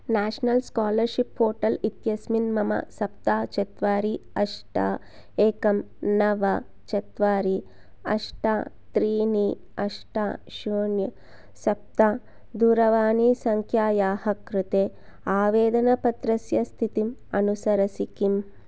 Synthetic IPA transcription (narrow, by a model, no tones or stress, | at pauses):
naːʂnɐlskaːlɐɾʃipfoːʈɐlit̪jɐsminmɐmɐ̰sɐp̚t̪aːt͡ʃɐt̪ʋaːɾiɐʂʈa̰ː | eːkɐm | nɐʋɐ | t͡ʃɐt̪ʋaːɾi | ɐ̰ʂʈaː | t̪ɾiːni | ɐʂʈaːʃuːnjɐ | sɐp̚t̪aː | d̪uːɾɐʋaːnisɐŋkʰjaːjaːhɐkɾut̪eː | aːʋeːd̪ɐnɐpɐt̪ɾɐsjɐst̪ʰit̪imɐnusɐɾɐsikim